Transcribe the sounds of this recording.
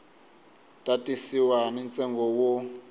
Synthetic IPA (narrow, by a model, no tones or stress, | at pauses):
tʼatʼisiwanɛnt͡sʼɛŋɡɔwo